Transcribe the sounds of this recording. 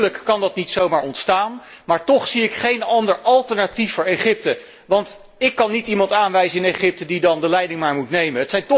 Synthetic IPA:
ləkkɑndɑtnitsowmaːɹɔntstaːnmaːɹtɔχsiɪkχejnɑndəɹʔɑlˠtəɹnatifʊːɹejχɪp̚tə | ʋɑnt | ɪkːɑnːitimɑntaːnʋɛjzəɪnejχɪp̚tədidɑndəlɛjdɪŋmaːɹmutnejmənɦətsɛjntɔ

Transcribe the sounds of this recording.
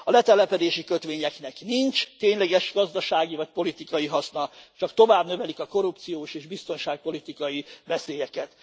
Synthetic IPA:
ɒlɛt̪ɛlɛpɛd̪eːʃikøt̪ʋeːɲɛknɛknint͡ʃt̪eːɲlɛɡɛʃɡɒzd̪ɒʃaːɡivɒc̚po̞lit̪ikɒjiɦɒsnɒt͡ʃɒkt̪o̞vaːbnø̞vɛlikɒko̞ɾupt̪sijoːʃeːʒbist̪o̞nʃaːk̚po̞lit̪ikɒjivɛseːjɛkɛt̪

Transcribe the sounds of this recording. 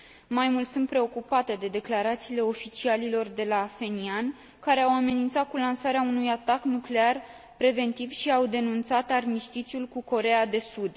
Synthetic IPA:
majmult̪sunt̪̚pɾe̞o̞kupat̪e̞d̪e̞d̪e̞klaɾat̪siːle̞o̞fit͡ʃialilo̞rd̪e̞lafe̞nian | kaɾe̞awame̞nint̪sat̪̚kulansaɾeaunujat̪aknukle̞ar | pɾe̞ve̞nt̪ivʃiawd̪e̞nunt̪sat̪armiʃt̪it͡ʃiulkuko̞ɾe̞ad̪e̞sud̪

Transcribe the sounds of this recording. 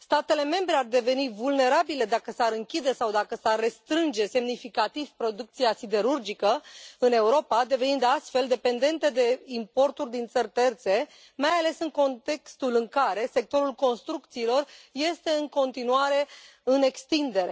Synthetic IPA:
st̪at̪e̞le̞me̞mbɾeard̪e̞ve̞nivulne̞ɾabile̞d̪akəsaɾɨŋkʲid̪e̞sawd̪akəsarːe̞st̪ɾɨnd͡ʒe̞se̞mnifikat̪iv̥pɾo̞d̪uk̚t̪siasid̪e̞ɾurd͡ʒikəɨne̞uɾo̞pad̪e̞ve̞nind̪east̪fe̞ld̪e̞pe̞nd̪e̞nt̪e̞d̪e̞impo̞rt̪urʲd̪int̪sərʲt̪e̞rt̪se̞ | majale̞sɨŋko̞nt̪e̞kst̪ulɨŋkaɾe̞se̞k̚t̪o̞ɾulko̞nst̪ɾukt̪siːlo̞rje̞st̪e̞ɨŋko̞nt̪inuaɾe̞ | ɨne̞kst̪ind̪e̞ɾe̞

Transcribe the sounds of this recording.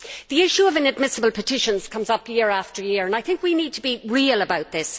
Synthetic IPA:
ðiɪʃuəvɪ̃nəd̚mɪsəbəlˠpʰətʰɪʃə̃nz̥kʰʌ̃mzʌpʰjɪəɹaftə˞jɪəɹə̃naɪθɪ̃ŋkwiniːd̚tʰəbiɹiələbaʊt̪̚ðɪs

